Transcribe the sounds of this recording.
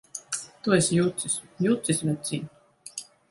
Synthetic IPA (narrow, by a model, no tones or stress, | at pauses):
t̪uesʲjut̪sisjuːt̪sisʲvʲat̪sʲin